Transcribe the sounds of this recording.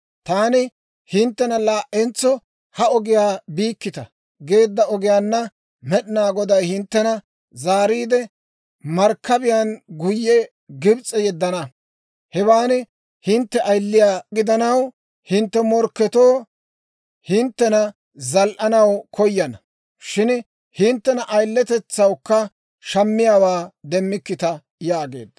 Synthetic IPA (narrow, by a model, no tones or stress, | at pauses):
t̪aːnɪ | hɪnt̪ːɛnɐlaːʔːɛnt͡sːɔ | hɐɔɡɪjaːbiːkːɪt̪ɐ | ɡe̞ːd̪ːɐɔɡɪjaːnːɐ | mɛɗɪnaːɡɔd̪ɐjhɪnt̪ːɛnɐ | zaːɾiːd̪ɛ | mɐɾkːɐbɪjanɡʊjːɛ | ɡɪbt͡sʼɛjɛd̪ːɐnɐ | hɛwaːnɪ | hɪnt̪ːɛʔɐjlːɪjaːɡɪd̪ɐnɐw | hɪnt̪ːɛmɔɾkːɛt̪oː | hɪnt̪ːɛnɐ | zɐlʔɐnɐwkɔjːɐnɐ | ʃɪn | hɪnt̪ːɛnɐʔɐjlːɛt̪ɛt͡sːɐwkːɐ | ʃɐmːɪjaːwaːd̪ɛmːɪkːɪt̪ɐ | jaːɡe̞̰ːd̪ːɐ